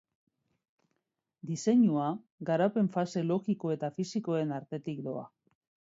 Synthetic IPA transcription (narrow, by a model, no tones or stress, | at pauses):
d̪ise̞ɲua | ɣaɾape̞ɱfase̞lo̞ɣiko̞e̞t̪afisiko̞e̞naɾt̪e̞t̪ikd̪o̞a̰